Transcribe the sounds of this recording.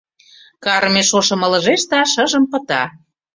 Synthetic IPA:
kɑɾmeʃoʃɤ̆mɤ̆lə̆ʒeʃt̪ɑʃəʒə̆mpə̆t̪ɑ

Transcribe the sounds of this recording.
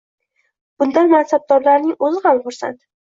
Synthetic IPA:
b̥ʊnd̪anmansab̚d̪ɒɾlaɾnɪŋɵzɪhamχʊɾsa̰nt̪

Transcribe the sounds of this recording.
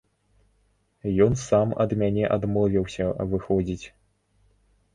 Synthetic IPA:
jɔnsamɐ̰d̪mʲanʲɛʔad̪mɔvʲiwsʲɐvɨxɔd͡zʲit͡sʲ

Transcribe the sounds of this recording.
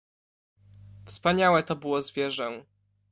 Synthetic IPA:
fspaɲawɛt̪ɔbɘwɔzvʲjɛʐɛ

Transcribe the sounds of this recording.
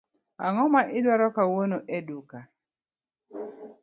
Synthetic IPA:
aŋɔmaʔɪdwaɾɔkawonoʔeduka

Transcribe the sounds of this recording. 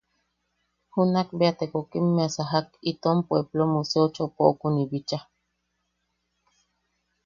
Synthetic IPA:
hunak̚beat̪ekokimːeasaɦakit̪ompweblomuseot͡ʃopoʔkunibit͡ʃa

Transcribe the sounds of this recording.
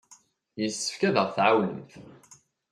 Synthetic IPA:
jəsːə̥fkæðəʁθʕawəənθ

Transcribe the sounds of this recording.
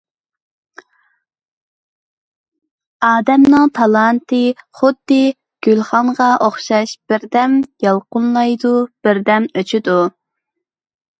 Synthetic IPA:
ɑːd̪ɛmnɨŋt̪ʰɑlˠɑnt̪ʰɨχʊd̪ːɨ | ɡ̥ʲylχɑɴʁɑʔoχʃɑʃb̥ɪɾd̪ɛmjɑlˠqʊnlˠɑjd̪ub̥ɪɾd̪ɛmøt͡ʃʰɪd̪u

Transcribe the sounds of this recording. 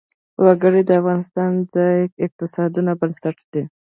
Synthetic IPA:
waɡəɽid̪əafɣɑnɪst̪ɑnzɑjkɪq̚t̪ɪsɑd̪unabənsaʈd̪e

